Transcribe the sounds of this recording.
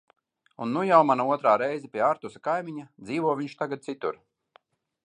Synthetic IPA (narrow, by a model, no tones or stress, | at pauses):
unːujawmanauɔt̪ɾaːɾɛjzɛpʲiɛaɾt̪usakajmʲiɲad̪ziːvɔɔviɲʃt̪aɡad̪̚t̪sit̪uɾ